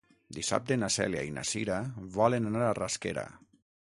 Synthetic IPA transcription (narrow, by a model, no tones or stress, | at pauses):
d̪isa̰p̚d̪enasɛ̰lja̰ina̰siɾaβɔlenanaɾaraskeɾa̰